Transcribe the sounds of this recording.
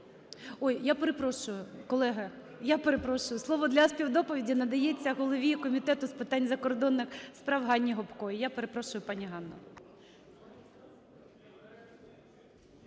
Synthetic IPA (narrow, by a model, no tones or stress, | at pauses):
ɔjjapeɾepɾɔʃʊjʊkɔlˠɛɦɐ | japeɾepɾɔʃʊjʊslˠɔʋɔd̪lʲɐspʲiwd̪ɔpɔʋʲidʲinɐd̪ɐjet͡sʲːɐɦɔlˠɔʋʲikɔmʲit̪ɛt̪ʊspɪt̪ɑnʲzɐkɔrd̪ɔnːɪxspɾɑwɦɑnʲːiɦɔpkɔjijapeɾepɾɔʃʊjʊpɑnʲiɦɑnːɐ̰